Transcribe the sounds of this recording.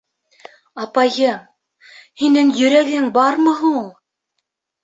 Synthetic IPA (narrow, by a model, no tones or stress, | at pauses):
ɑpɑjɤm | hinɘŋjɵ̆ɾæɡɘŋbɑɾmɤɦɤɴulˠ